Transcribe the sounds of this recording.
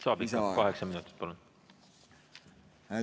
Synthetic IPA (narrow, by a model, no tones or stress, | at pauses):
sɑːbit̪ːɑkɑɦeksɑminut̪ːˑi̥t̪̚pɑlun